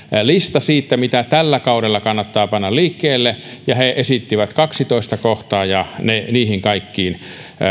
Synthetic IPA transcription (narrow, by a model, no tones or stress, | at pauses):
list̪ɑsiːt̪ːæmit̪æt̪ælːækɑuɾelːɑkɑnːɑt̪ːɑːpɑnːɑlliːkːeːlːejɑheʔesit̪ːiʋæt̪kɑksit̪oist̪ɑkoht̪ɑːjɑneniːhiŋkɑikːiːn